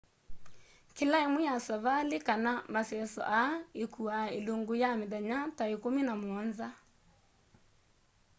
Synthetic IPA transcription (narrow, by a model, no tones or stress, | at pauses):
kelaemwejasaβalekanamasɛsɔ̰ʔaekuaeloŋɡojamɪðaɲataekominamwɔnza